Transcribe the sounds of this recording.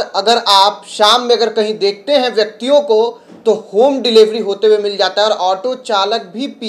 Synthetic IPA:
ɐɡəɾaːpʃaːmːẽɐɡəɾkɐɦĩd̪eːk̚ʰt̪eɦɛ̃ʋjɐk̚t̪ijõko | t̪ohoːmɖɪliʋɾiɦoːt̪ewemɪld͡ʒaːt̪aɦɛɔːɾʔɔːʈot͡ʃaːlək̚bʱipi

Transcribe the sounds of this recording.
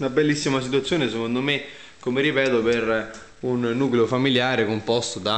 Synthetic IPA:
nabɛlːisːimas̬it̪uat̪sːjoːnes̬ekond̪ome | kːomeripɛːt̪oper | unːuːkleofamiljaːɾekompɔst̪od̪a

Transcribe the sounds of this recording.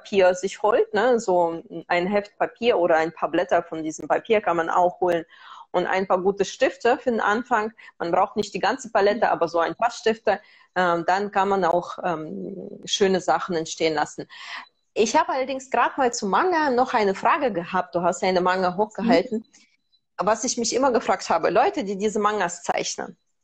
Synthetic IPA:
papʰiːɐzɪçhoːlt̚nəzoːʔaɪnɦɛft̚papʰiːɐʔoːɾɐaɪnpʰaːɐblɛtɐfɔndiːzəm̩papʰiːɐkʰanmanʔa̰ʊxhoːlənʔʊntʔa̰ɪnpaːɐɡuːtəʃtɪftəfyːɐdenʔanfaŋmanbʁaʊxtnɪçtd̥iːɡant͡səpalɛtəʔa̰ːbɐzoːaɪnpaʃtɪftə | ʔɛːmd̥ankanmanaʊxʔɛːmʃøːnəzaχn̩ɛntʃteːənlasn̩ | ʔɪçhaːbəalɐdɪŋsɡ̥ʁaːtmaːlt͡sumaŋənɔχʔaɪnəfʁ̥aːɡəɡəɦaːp̚t̚d̥uːɦastʔaɪnəmaŋəɦoːxɡ̥əɦaltn̩ | vasɪçmɪçʔɪmɐɡəfʁ̥aːk̚thaːbə̰lɔʏtədiːdiːzəmaŋɐst͡sa̰ɪçnə̰n

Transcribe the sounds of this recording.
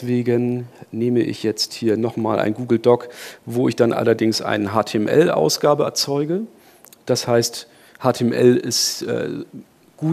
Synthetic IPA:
v̥eːɡənneːməʔɪ̰çjɛt͡sthiːɐnɔχmaːlʔa̰ɪnɡuːɡl̩dɔkvoːɪçd̥anʔa̰lɐdɪŋsʔa̰ɪnəɦaːtʰeɛmʔɛ̰lʔa̰ʊsɡ̥aːbəɛ̰ɐt͡sɔʏɡə | d̥ashaɪst | haːtʰeːmʔɛ̰lɪstʔɛ̰ː | ɡ̥uː

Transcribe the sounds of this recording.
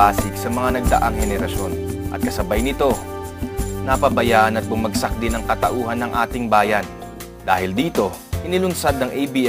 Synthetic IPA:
aːsɪk̚sɐmɐŋanɐɡ̚d̪ɐ̰ʔaŋhɛnɛɾɐʃo̞nʔɐ̰t̪̚kɐsɐbajnɪt̪o̞ | nɐpɐbɐjaːʔɐnɐt̪̚bʊmɐɡsɐk̚d̪ɪnɐŋkɐt̪ɐʔuːɦɐnɐŋʔaːt̪ɪŋbaːjɐn | d̪aːhɪld̪iːt̪o̞ | ʔɪnɪlʊnsad̪̚nɐŋʔɛjbiʔ

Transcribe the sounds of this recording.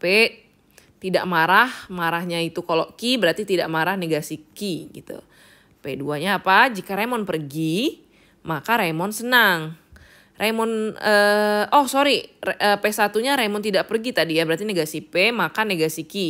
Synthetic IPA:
pɛʔ | t̪idaʔmaɾahmaɾaɦɲait̪ukaloʔkibəɾart̪it̪idaʔmaɾahneɡasikiɡḭt̪ṵ | peduaɲaːpad͡ʒikaɾemɔnpərɡi | makaɾemɔnsənaŋ | rʔemɔnəːɔhsoɾiəːpesat̪uɲaɾemɔnt̪idaʔpərɡit̪adijabəɾart̪ineɡasipɛmakaneɡasiki

